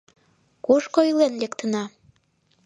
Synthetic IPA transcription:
koʃkojlenlekt̪ənɑ

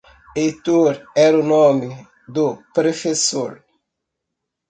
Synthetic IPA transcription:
et̪oɾɛɾunɔmɪ | d̪ʊpɾefesoɾ

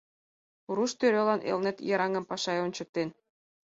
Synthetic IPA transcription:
ɾuʃt̪øɾʲølɑnʔḛlnet̪jɤɾɑŋə̆mpɑʃɑjont͡ɕə̆k̚t̪en

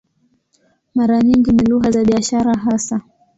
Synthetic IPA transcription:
maɾaɲiŋɡiniluɣazaɓiaʃaɾaɦasa

